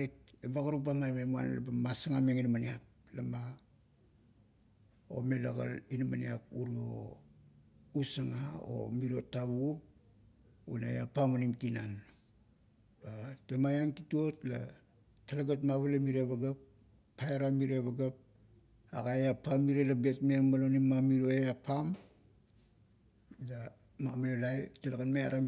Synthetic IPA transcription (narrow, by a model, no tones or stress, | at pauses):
itebaɡaɾubamaɾmemua̰nla̰bamasaŋameŋinmaniap̚ | lama | o̰me̞laɡa̰linama̰nḭap̚uɾio̞̰ | usaŋao̰miɾo̞taβup̚ | unajapamanimtinan | batemajaŋtituotla̰ | talaɡatmaβalamiɾeβaɡapː | ajaɾamiɾeβaɡap̚ | a̰ɡajapamiɾelabe̞tmemalonimːamiɾo̞eapam | la | mamaolajtalaɡanmea̰ɾa